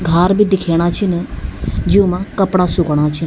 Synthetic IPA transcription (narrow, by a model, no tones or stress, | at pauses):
ɡʱaːɾbʱid̪ɪkʰeːɽ̃at͡ʃʰinəd͡ʒiũmãkɐpɽasʊkɽ̃aːt͡ʃʰin